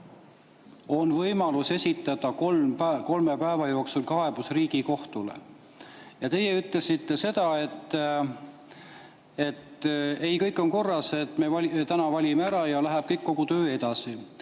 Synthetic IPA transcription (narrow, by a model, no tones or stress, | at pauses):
o̞nvɤjmɑluse̞sʲit̪ːˑɑd̪̥ɑkolmæko̞lme̞pæevɑjo̞ːksulkɑe̞b̥usriːɡiko̞ht̪ulḛ | jɑt̪e̞jeyt̪ˑlesit̪ːe̞se̞d̪̥ɑe̞t̪ːˑ | e̞t̪e̞jkɤjkːˑo̞nko̞rːɑset̪ːˑme̞vɑt̪ænɑvɑlʲimeæɾɑjɑlæɦeb̥̚kɤjkːo̞ɡ̥ut̪ø̞ːe̞d̪̥ɑsi